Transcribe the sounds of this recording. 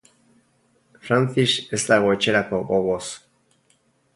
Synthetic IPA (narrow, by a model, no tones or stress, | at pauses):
fɾanθiʃeslaɣoet͡ʃeɾakoβoβos